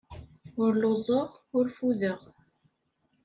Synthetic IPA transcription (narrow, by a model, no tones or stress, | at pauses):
ʊɾlozˤəʁʊɾfuðəʁ